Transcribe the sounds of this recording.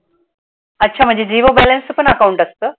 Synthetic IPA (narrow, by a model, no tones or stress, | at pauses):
ɐtːɕʰaːm̤ə̃ɲd͡ʑed͡ʑiːʋobɛlɐnsɨpənɐkawuɳʈɐst̪ə